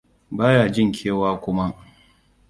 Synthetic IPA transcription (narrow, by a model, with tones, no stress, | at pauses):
baː˦jaː˨d͡ʒɪ˦˨ŋkʲʰeː˦waː˦kʷʊ˦ma˦ʔ